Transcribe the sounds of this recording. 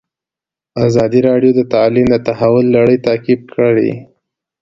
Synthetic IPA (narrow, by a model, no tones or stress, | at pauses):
azɑd̪iɾɑɖjod̪ət̪ɑlimd̪ət̪aɦawʊlːaɽəjt̪ɑkib̚kʰəɽḭ